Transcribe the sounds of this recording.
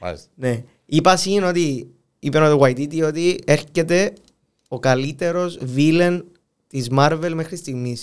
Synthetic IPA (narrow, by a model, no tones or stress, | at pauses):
ne̞ | ipɐsino̞t̪i | ipenot̪iwɐjt̪it̪iot̪ie̞ɾce̞t̪e̞ | okɐlit̪e̞ɾo̞zvilen | t̪izmaɾve̞lme̞xɾist̪iɣmis